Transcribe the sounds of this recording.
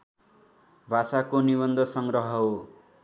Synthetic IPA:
bʱasakonibʌnd̪ʱʌsʌŋɡrʌɦʌɦo

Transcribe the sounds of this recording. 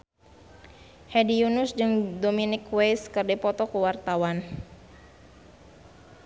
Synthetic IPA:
hedijunʊsd͡ʒɨŋdominɪkwejskɨrdipɔt̪ɔkuwart̪awan

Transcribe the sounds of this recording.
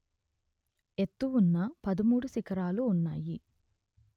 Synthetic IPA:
e̞t̪ːuʋunːɐpɐd̪ɐmuːɽusikɐɾaːluːnːa̰ːji

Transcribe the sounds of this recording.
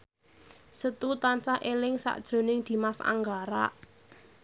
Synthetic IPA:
sət̪ut̪ansaʔelɪŋsa̰ʔd̥ʒ̥o̤nɪŋd̪̥i̤masa̰ŋɡaɾa̰ʔ

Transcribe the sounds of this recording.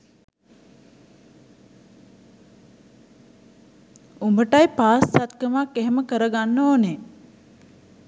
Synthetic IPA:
umbəʈajpaːsːat̪kəmakːeɦeməkəɾəɡanːoːne

